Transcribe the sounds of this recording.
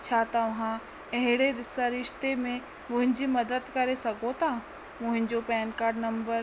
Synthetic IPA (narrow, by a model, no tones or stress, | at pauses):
t͡ɕʰaːt̪ɐʋɦã | ɐɦɪɽ̃eɾɪsaɾɪʃt̪emẽ | mʊ̃ɦɪ̃ɲd͡ʑimɐd̪əd̪kɐɾesɐɡʱot̪ʰa | mʊ̃ɦɪ̃ɲd͡ʑopɛːnkaːɾɖnɐ̃mbəɾ